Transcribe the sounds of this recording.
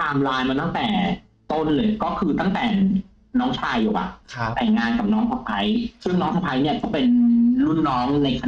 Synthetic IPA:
t̪aː˧mlaː˧jmaː˧t̪a˥˩ŋt̪ɛː˨˩ | t̪o˧nlɤː˧˩jkɔː˥˩kʰɯː˧t̪a˥˩ŋt̪ɛː˨˩ | nɔː˦˥ŋt͡ɕʰaː˧jːuː˨˩ʔa̰˨˩t̪ɛː˨˩ŋaː˧nka˨˩p̚nɔː˦˥ŋsʰa˧pʰa˦˥jsɯ˥˩ŋnɔː˦˥ŋsʰa˧pʰa˦˥jni˥˩ɐkɔː˥˩pe˧nlu˥˩nːɔː˦˥ŋna˧jkʰa˧

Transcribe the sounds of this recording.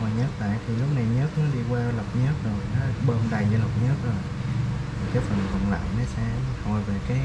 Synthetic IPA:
ɔ˨˩ɲə˦˥t̚la̰ː˧˨jt̪ʰi˨˩lʊ˦˥k͡p̚na˨˩jɲə˦˥t̚nɔ˨˦ɗi˧kwaː˧lə˨˩p̚ɲə˦˥t̚zo˨˩jnɔ˨˦lɓəː˧nɗa˧˩jzə˧˦lə˨˩wp̚ɲə˦˥t̚zo˨˩j̪ʰi˨˩kaː˨˦jfə˨˩nkə̰˨˩nla̰ː˧˨mnɔ˨˦sɛ̰˧˥ho˧˩jve˨˩kaː˨˦j

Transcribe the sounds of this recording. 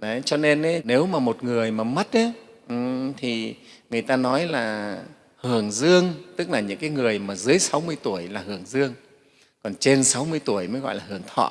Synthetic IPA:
ʔə˨˦t͡ɕɔ˧ne˧nə˨˦ne˨˦wmaː˨˩mo˨˩t̚ŋɨ˨˩əjmaː˨˩mə˦˥t̚ʔə˨˦ʔt̪ʰi˨˩ŋɨ˨˩əjt̪aː˧nɔ˨˦jlaː˨˩ | hɨ˨˩əŋzɨ˧əŋt̪ɨ˦˥k̚laː˨˩ɲɨ̰˧˥ŋkaː˨˦jŋɨ˨˩əjmaː˨˩zɨ˨˦əjsa˨˦wmɨ˧əjt̪u˧˩əjlaː˨˩hɨ˨˧˩əŋzɨ˧əŋ | kɔ˨˩nt͡ɕe˧nsa˨˦wmɨ˧əjt̪u˧˩əjməː˨˦jɣɔ̰˧˨jlaː˨˩ɦɨ˨˩əŋt̪ʰɔ̰˧˨

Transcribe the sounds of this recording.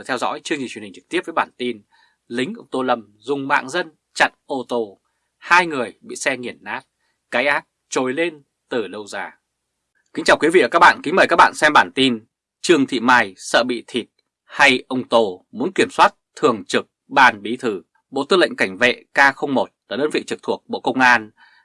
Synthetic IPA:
t̪ʰɛ˧wzɔ̰˧˥jt͡ɕɨ˧ŋi˨˩t͡ɕwi˨˩ŋ̟t͡ɕɨ˨˩k̚t̪i˦˥əp̚və˨˦jɓaː˧˩nt̪i˧n | lï˨˦ŋ̟ʔə˧wŋ͡mt̪o˧lə˧˩m | zʊ˨˩ŋ͡mma̰ː˧˨ŋzə˧n | t͡ɕa̰˧˨nʔo˧t̪o˧ | haː˧jŋɨ˨˩əjɓḭ˧˨sɛ˧ŋi˨˩ənːaː˦˥t̚ | kaː˨˦jʔaː˦˥t̚t͡ɕo˨˩jle˧n | t̪ɨ˨˩lə˧˩wzaː˨˩ | kï˨˦ŋ̟t͡ɕaː˨˩wkwi˨˦vḭ˧˨ə˨˩a˦˥k̚ɓa̰ː˧˨nkï˨˦ŋ̟məː˨˩kaː˦˥k̚ɓ̰ːnsɛ˧mɓaː˧˩nt̪i˧n | t͡ɕɨ˧əŋt̪ʰḭ˧˨maː˧˩jsə̰ː˧˨ɓḭ˧˨t̪ʰi˨˩t̚ | ha˧jʔə˧wŋ͡mt̪o˧mu˨˦ənki˧˩əmswaː˦˥t̚t̪ʰɨ˨˩əŋt͡ɕɨ˨˩k̚ɓaː˧˩nɓi˨˦t̪ʰɨ˧˩ | ɓo̰˧˨t̪ɨ˧lə̰˧˨ŋ̟ka˧˩jŋ̟vḛ˧˨kaː˧xə˧wŋ͡mmo˨˩t̚laː˨˩ɗəː˧nvḭ˧˨t͡ɕɨ˨˩k̚t̪ʰu˨˩ək̚ɓo̰˧˨kə˧wŋ͡mʔaː˧n

